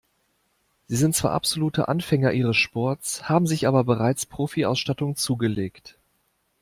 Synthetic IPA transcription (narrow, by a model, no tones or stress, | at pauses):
z̥iːzɪnt̚t͡sv̥a̰ːɐʔa̰pz̥oluːtʰə̰ʔa̰nfɛŋɐʔiːʁ̞əsʃpɔɐtt͡shaːbm̩zɪçʔaːbɐbəʁaɪt͡spʁ̥oːfia̰ʊsʃtatʊŋt͡suːɡəleːkt